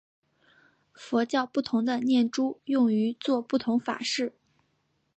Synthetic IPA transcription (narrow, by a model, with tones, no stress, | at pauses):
fɔ˧˥t͡ɕjɑ˥˧ʊpu˥˩t̪ʰʊ˧˥ŋd̪ə˧njɛ˥˩nʈ͡ʂu˥jʊ˥˩ŋy˧˥t͡swɔ˥˧pu˥˩t̪ʰʊ˧˥ŋfa̰˨˩ʂɻ̩˥˩